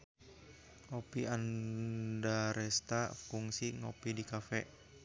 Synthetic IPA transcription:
ŋopian | daɾɛst̪afuŋsiŋɔpidikafɛ̰ʔ

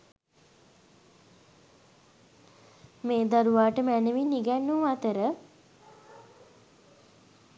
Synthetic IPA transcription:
meːd̪aɾuʋaːʈəmænəʋiniɡænːuat̪əɾə

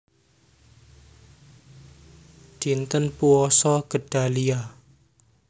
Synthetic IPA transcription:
d͡ʒ̥int̪ənpuɔsɔɡ̥ə̤ɖ̥a̤lia

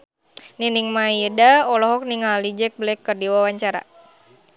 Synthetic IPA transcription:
niniŋmaidaɔlɔɦɔk̚niŋalid͡ʒɛk̚blɛkːərdiwawaɲt͡ʃaɾa̰

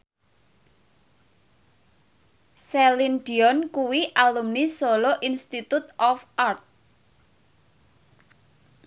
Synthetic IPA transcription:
sɛlinɖiɔnkuwiʔalumnisoloʔinst̪it̪ut̪ʔɔfart̪̚

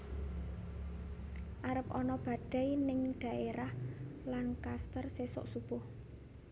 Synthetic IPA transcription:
ʔaɾəp̚ʔɔnɔb̥ä̤ɖ̥a̤jnɪŋɖ̥a̤ʔeɾahlankast̪ərsesɔ̰ʔsupʊh

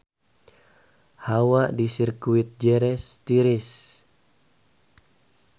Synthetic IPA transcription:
hawaʔdisirkuit̪̚d͡ʒɛɾɛst̪iɾis

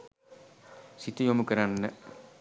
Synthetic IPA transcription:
sit̪ujomukɐɾanːə

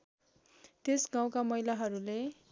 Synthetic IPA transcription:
t̪esɡãw̃kamʌɦilaɦʌɾule

